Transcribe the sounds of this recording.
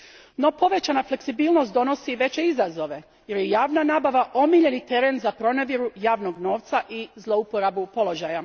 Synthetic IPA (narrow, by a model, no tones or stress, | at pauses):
no̞po̞ʋe̞t͡ɕanafle̞ksibiːlno̞st̪d̪o̞no̞siʋe̞t͡ɕe̞izazo̞ʋe̞ | je̞ɾjejaːʋnanaːbaʋaʔo̞miʎe̞nit̪e̞ɾe̞nzapɾo̞neʋjiɾujaːʋno̞ɡno̞ːʋt̪saʔizlˠo̞upo̞ɾabupo̞lo̞ʒaja